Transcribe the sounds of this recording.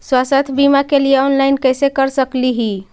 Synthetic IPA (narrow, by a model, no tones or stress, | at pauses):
swasət̪ʰbimakelijeɔnlaɪjnkəjsekəɾsəkliɦi